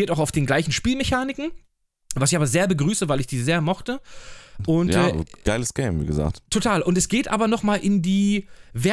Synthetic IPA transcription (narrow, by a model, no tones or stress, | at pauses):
iɐtaʊxaʊfd̥eːnɡlaɪçn̩ʃpiːlmeçaːnɪkŋ̩ | vasɪçʔaːbɐzeːɐbəɡʁyːsəvaɪlɪçd̥iːzeːɐmɔχtəʔʊntjaɛːɡ̥aɪləsɡ̥eɪmvḭːɡə̰za̰ːk̚ttʰotʰaːlʔʊntɛsɡ̥eːtʔa̰ːbɐnɔχmaːlʔɪndiːvɛ